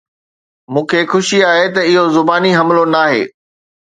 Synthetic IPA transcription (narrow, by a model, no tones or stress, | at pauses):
mũːkʰexʊʃiaːɦet̪ɐɪɦozʊbaːniɦɐmlonaːɦḛː